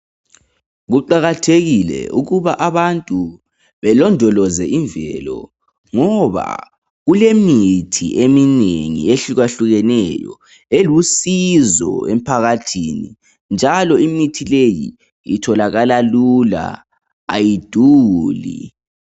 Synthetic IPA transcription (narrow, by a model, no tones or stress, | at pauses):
ɣuǃaɣatʰeɣilɛ̰uɣuβaʔaβantʼu | βɛlɔndʱɔlɔzɛiɱvʱɛ̰lɔ̰ | ŋɔβa̰ | ɣulemitʰḭʔemineŋḭeɬiɣaɬuɣɛnɛjɔ̰ | elusizɔ̰ḛm̩pʰaɣatʰini | nd͡ʒʱalɔimitʰilejḭ | ḭtʰɔlaɣalalula̰ | a̰jid̥ʱuːlḭ